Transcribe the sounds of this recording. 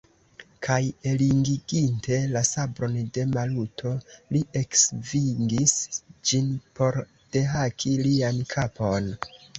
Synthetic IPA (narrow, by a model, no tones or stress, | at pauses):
kʰaje̞liŋɡiɡinte̞lasabɾo̞nde̞malutʰo̞liʔe̞ksviŋɡisd͡ʒinpo̞ɾ | d̥e̞ɦakʰiliankʰapʰo̞n